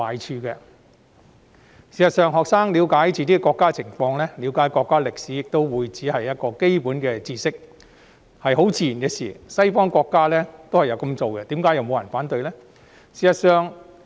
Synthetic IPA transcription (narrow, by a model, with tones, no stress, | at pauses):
waː˨˧jt͡ʃʰyː˧kɛ˧ | siː˨sɐ˨tsœː˨ŋɦɔː˨k̚saː˥ŋli˨˧wkaː˨˥jt͡siː˨t̪iː˥kɛ˥kɔː˧kːaː˥t͡sʰɪ˨˩ŋfɔː˧ŋlɛː˥liː˨˧wkaː˨˥jkɔː˧kːaː˥lɪ˨k̚siː˨˥jɪ˨k̚t̪o˥wwuː˨˧jt͡siː˨˥hɐ˨jːɐ˥t̚kɔː˧ke˥jpuː˨˥nkɛː˧t͡siː˧sɪ˥k̚ | hɐ˨jɦo˨˥wt͡siː˧˩ji˨˩nkɛ˧siː˨˩sɐ˥jfɔː˥ŋkɔː˧kːaː˥lɛ˥t̪o˥whɐ˨jɐ˨˧wkɐ˧mt͡so˨wkɛ˧t̪iː˨˥mkaː˨˥jɐ˨wmo˨˧wjɐ˨˩nfaː˨˥nt̪ɵ˧ɥlɛː˥ | siː˨˩sɐ˨t̚sœː˨˧ŋ